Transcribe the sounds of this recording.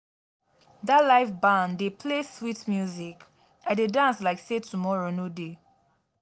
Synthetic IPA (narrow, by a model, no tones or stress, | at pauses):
dalaɪfbãndepʰleswitmjuzik | ãdedãnslaɪksetʰumɔɹonode